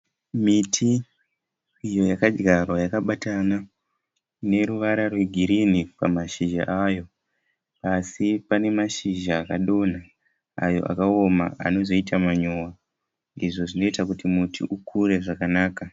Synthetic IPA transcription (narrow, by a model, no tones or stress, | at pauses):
mitʰi | ijo̞jakad͡ʒɡarwajakaɓatana | ne̞ɾuʋaɾarwe̞ɡʱiɾinipamaʃiʒa̰ʔajo̞ | asipane̞maʃiʒaːkaɗo̞na | a̰jo̞̰ʔa̰kao̞ma̰a̰no̞zo̞itamaɲowa | iʐo̞ʐino̞itakutimutḭʔukʰuɾe̞ʐakanaːka